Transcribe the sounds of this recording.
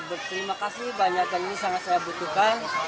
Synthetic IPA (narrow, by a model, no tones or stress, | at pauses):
bət̪əɾimakasihbaɲakjaninisaŋat̪̚sajabut̪uhkan